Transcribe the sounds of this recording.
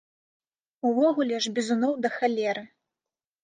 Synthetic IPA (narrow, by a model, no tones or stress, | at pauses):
uvɔɣulʲɛʐbʲizunɔwd̪ɐxalʲɛɾɨ